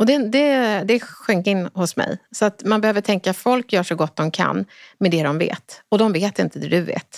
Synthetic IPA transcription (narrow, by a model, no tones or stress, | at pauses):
ɔd̪ɛd̪ɛd̪ɛɧʏŋkɪnːhʊsmɛ̰jsɔat̪manbɛhøːvəʈʰɛŋkafɔlkjœːʂɔɡɔt̪̚ːd̪ɔmkʰa̰nːmɛd̪ɛd̪ɔmvḛːt̪ɔd̪ɔmveːt̪ɪnt̪əd̪ɛd̪ɵvḛːt̪